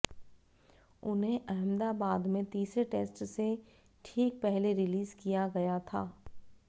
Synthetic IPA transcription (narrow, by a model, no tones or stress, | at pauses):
ʊnɦẽʔɐɦɪ̃md̪aːbaːd̪mẽt̪iːsɾeʈeːsʈse | ʈʰiːk̚pɛɦleɾɪliːzkijaɡɐjat̪ʰaː